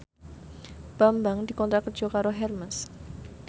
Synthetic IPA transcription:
b̥ambaŋd̪i̤kɔnt̪ɾakərd̥d͡ʒʒ̥ɔkaɾoɦɛrməs

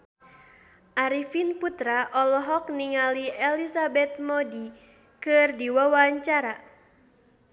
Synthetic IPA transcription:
ʔaɾifinput̪ɾaʔɔlɔɦɔk̚niŋaliɛlisabɛt̪̚mɔdi | kɨrdiwawaɲt͡ʃaɾa

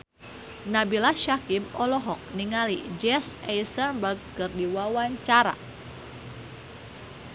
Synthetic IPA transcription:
nabilaʃakimɔlɔɦɔk̚niŋalid͡ʒɛsɛjsənbəɡ̚ːɨrdiwawaɲt͡ʃaɾa̰

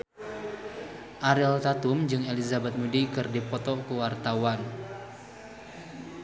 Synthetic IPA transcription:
ʔaɾɪlt̪at̪ʊmd͡ʒɨŋelizabɛt̪̚mudikɨrdipɔt̪ɔkuwart̪awan

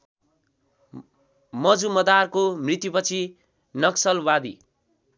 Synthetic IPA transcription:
mʌd͡zumʌd̪arkomrit̪jupʌt͡sʰi | nʌksʌlwad̪ḭ

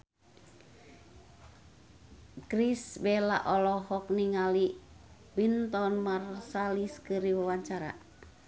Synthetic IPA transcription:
kɾisbɛla̰ʔɔlɔɦɔk̚niŋali | bint̪ɔnmarsaliskɨɾiwawaɲt͡ʃaɾa̰

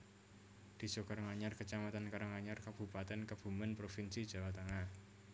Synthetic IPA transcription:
d̪̥i̤sokaɾŋaɲarkət͡ʃamat̪ankaɾaŋaɲarkab̥ṳpat̪ɛnkəb̥ṳmənpɾofinsid̥ʒ̥a̤wat̪əŋah

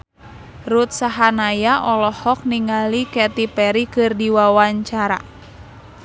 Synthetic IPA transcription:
rut̪̚saɦanajaʔɔlɔhɔk̚niŋalikɛt̪ipɛɾikɨrdiwawaɲt͡ʃaɾa̰

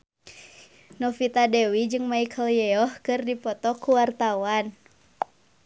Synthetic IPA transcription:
nɔfit̪adɛwid͡ʒɨŋmaikʰəljɛɔhkɨrdipɔt̪ɔkuwart̪awan

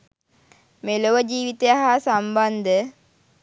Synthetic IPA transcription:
meloʋəd͡ʒiːʋit̪ejaɦasamband̪ə

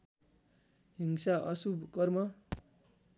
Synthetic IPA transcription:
ɦiŋsaʔʌsubkʌrmʌ

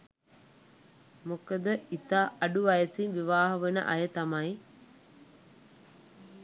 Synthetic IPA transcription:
mokəd̪əit̪aːʔɐɖuʋɐjəsinʋiʋaːɦɐʋənə̰ʔɐ̰jət̪amɐj

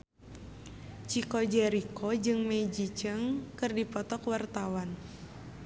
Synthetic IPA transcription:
t͡ʃikod͡ʒɛɾikɔd͡ʒɨŋmed͡ʒit͡ʃəŋkɨrdipɔt̪ɔkwart̪awan

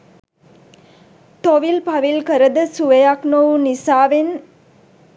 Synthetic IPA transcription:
t̪oʋilpaʋilkəɾəd̪əsuʋejaknoʋunisaːʋen

